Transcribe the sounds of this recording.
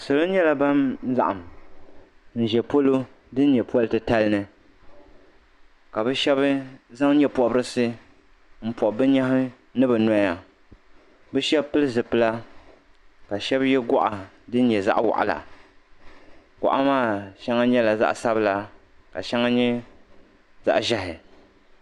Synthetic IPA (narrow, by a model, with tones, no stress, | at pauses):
sɨ˨lo˦n˦ɲɛ˦la˨ba˦m˦za̰˦˨ʔa˨m | n̩˨ʒɛ˨po˦lo˦ | dɨ˦n̩˦ɲɛ˨pɔ˦ltɨ˦ta˦lnɨ˨ | ka˨bɨ˦ʃɛ˦bɨ˦za˦ŋ˦ɲɛ˦pɔ˨bɨ˦ɾɨ˦sɨ˦ | m̩˦pɔ˨ʔbɨ˦ɲa˦hɨ˦ | nɨ˦bɨ˨nɔ˦ja˨ | bɨ˦ʃɛ˦bpɨ˦lɨ˦zɨ˨pɨ˦la˦ | ka˨ʃɛ˦bjɛ˦ɡɔ˦ʔa˨ | dɨ˦n̩˦ɲɛ˨za̰˦ʔwa̰˨ʔa̰˨la̰˨ | ɡʊ̰˨ʔa˦maː˦˨ʃɛ˦ŋa˦ɲɛ˦la˨za̰˦ʔsa˦bɨ˦la˨ka˨ʃɛ˦ŋa˦ɲɛ˦ | za̰˦ʔʒa˦ɦɪ˨